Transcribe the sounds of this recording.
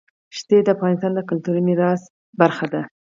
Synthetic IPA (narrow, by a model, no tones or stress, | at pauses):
ʃt̪ed̪əafɣɑnɪst̪ɑnd̪əkʊlt̪uɾiniɾɑs | baɾxad̪a